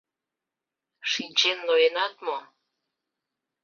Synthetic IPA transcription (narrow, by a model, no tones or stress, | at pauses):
ʃinʲt͡ɕenːojenɑt̪mo